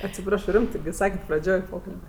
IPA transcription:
ɐtʲsʲɪˈprɑːʃoː ˈrʲɪmtɜ ˈsɑːkʲɛtʲ prɐˈd͡ʒʲoːj ˈpoːkɐlʲbʲɛ

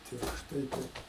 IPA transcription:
tʲɪrʃˈtɐɪ ˈtɐɪp

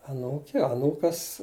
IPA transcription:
ɐˈnuːkʲeː ɐˈnuːkɐs

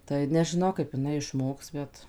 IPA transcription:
tɐɪ nʲɛʒʲɪˈnɐʊ kɐɪp ɪˈnɐɪ ɪʃˈmoːks ˈbʲɛt

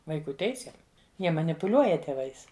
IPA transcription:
ʋɐɪˈkuː ˈtʲɛɪsʲeːm ˈjiɛ mɐnʲɪpʊˈlʲuɔjɛ tʲeːˈʋɐɪs

